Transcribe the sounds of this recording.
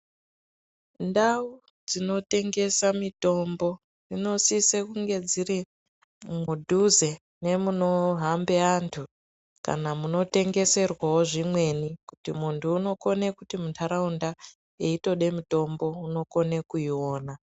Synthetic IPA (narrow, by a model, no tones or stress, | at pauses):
ndau | d͡zino̞te̞ŋɡe̞samito̞mbo̞ | rino̞sisekuŋɡe̞d͡ziɾi | mudʱuze̞ | ne̞muno̞ɦambeantʰu | ka̰namuno̞te̞ŋɡe̞se̞rwao̞ʐimwe̞nikutimuntʰuːno̞ko̞ne̞kutimutʰaɾaunda | e̞ito̞ɗe̞mito̞mbo̞uno̞ko̞ne̞kuiwo̞ːna